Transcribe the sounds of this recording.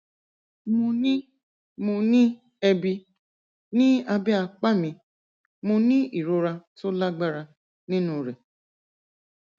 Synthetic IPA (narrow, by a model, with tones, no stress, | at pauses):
mũ˧nĩ˦ | mũ˧nĩ˦ | ɛ˧bi˧ | nĩ˦a˧bi˦a˧k͡pa˦˨mĩ˧ | mũ˧nĩ˦i˨ɾo˧ɾa˧to˦la˦ɡ͡ba˦ɾa˧ | nĩ˦nũ˧˨ɾe˨